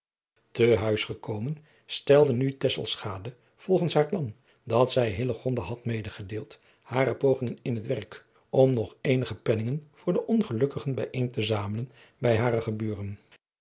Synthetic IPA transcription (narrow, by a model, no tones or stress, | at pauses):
təɦœɥsχəkowmən | stɛlˠdənytɛsə̰lˠsχaːdə | v̥ɔlˠχənsɦaːɹplɑn | dɑtsɛjɦɪləχɔndaɦɑtmejdəχədeːlˠt | haːɾəpowχɪŋənɪnɦətʋɛrk | ɔmnɔχejnəχəpɛnɪŋənv̥ʊːɹdəʔɔnχəlɵkəχənbɛjʔejntəzaːmələn | bɛjɦaːrəχəbyːrən